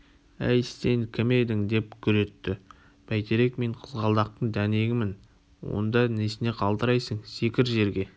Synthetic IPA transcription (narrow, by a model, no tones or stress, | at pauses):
æ̰jse̞ŋkʲʰɪmejd̪ɪŋd̪e̞p̚kʲʰʏɾe̞t̪ːɪ | b̥æjt̪e̞ɾe̞kme̞ɴqʰəzʁɑlˠd̪ɑq̚t̪əɴd̪æne̞ɡʲɪmːɪn | wo̞̰nd̪ɑnesɪne̞qʰɑlˠd̪əɾɑjsəɴse̞kʲɪɾʒe̞ɾɡʲe̞